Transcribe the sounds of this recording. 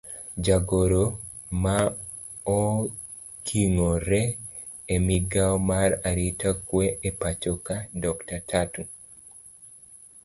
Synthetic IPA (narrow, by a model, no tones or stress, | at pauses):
d͡ʒaɡoɾo | ma | ɔ | kʰiŋoɾɛ | emiɡaɔmaɾaɾitakweepat͡ʃɔkadɔktatʰatu